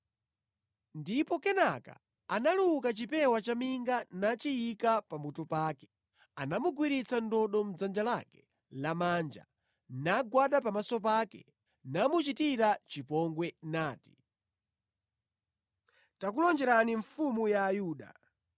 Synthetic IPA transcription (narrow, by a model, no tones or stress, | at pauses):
ndipɔkɛnaka̰ | analukat͡ʃipɛwat͡ʃamiŋɡanat͡ʃijikapamutɔpaːkɛ̥ | anamuɡwiɾit͡sandɔɗɔm̩d͡zand͡ʒalakɛ̥ | lamand͡ʒa̰ | naɡwaɗapamasɔpakɛ̰ | namut͡ʃitiɾat͡ʃipɔŋɡwɛnaːti̥ | tak̬ulɔnd͡ʒɛɾaniɱfumujaːjuːɗa̰